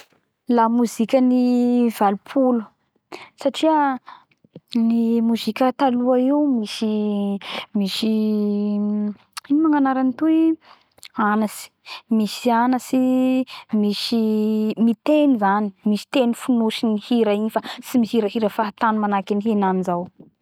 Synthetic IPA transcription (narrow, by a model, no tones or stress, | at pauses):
lamuzikʲəniv̥alupʰulu̥ | saʈ͡ʂiə | nimuzikʲət̪aluaewmisi | miʃi | imaŋanaɾanit̪ui | anasi̥misianasi | misimit̪enizanimisi̥t̪enifunuʃinihiɾainfasimisiɾəɦiɾəfaɦat̪anumanakiniɦenanizaw